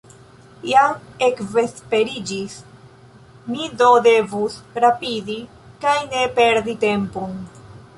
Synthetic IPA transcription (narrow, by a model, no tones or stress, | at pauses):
jaŋe̞kve̞spe̞ɾid͡ʒis | midode̞vusɾapidi | kajne̞pe̞ɾdite̞mpon